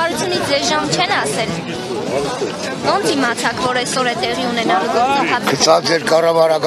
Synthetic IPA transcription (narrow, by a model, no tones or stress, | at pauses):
ɑɾut͡sʰjunit͡sʰd͡zɛzʒɑmt͡ʃʰɛnɑsɛl | vɔnd̪imɑt͡sʰɑkvɔɾɛsɔɾɛt̪ɛʁiunɛnɑlvɔɑɦɑkʰət͡sʰɑt͡sɛɾkɑrɑvɑɾɑk